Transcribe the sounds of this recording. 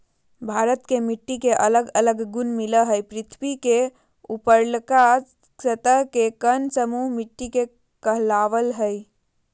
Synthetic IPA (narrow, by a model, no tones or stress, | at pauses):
bʱaɾət̪kemiʈːikeʔələɡələɡːunmiləɦəjpɾɪt̪ʰbike | upəɾlka | sət̪əɦkekənsəmuɦmiʈːike | kəɦlaʋəlɦəj